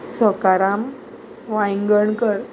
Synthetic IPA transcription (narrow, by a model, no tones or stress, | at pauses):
səkaɾam | ʋãjŋɡəɳkəɾ